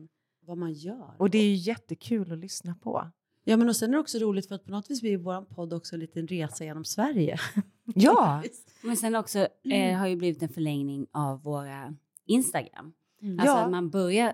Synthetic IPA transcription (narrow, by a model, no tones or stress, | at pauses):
vamanjœːɾɔd̪ɛæɾjɵjɛt̪ːəkʰʉ̟ːlɔlʏsnapʰɔ̰ | jɑːmɛnɔsɛnæɾɛɔksɔɾuːlɪt̪fœɾat̪̚pʰɔnɔt̪ːviːsvɪɪvoːɾanpʰɔd̪ːɔksɔɛnliːt̪ənɾeːsajeːnɔmsvæɾjə̰ | jɑː | mɛnsɛnːɔksɔɦaɾjɵbliːvɪt̪ɛnfœɭɛŋnɪŋavːoːɾa | ɪnst̪aɡɾa̰mː | alsːɔamanbœɾja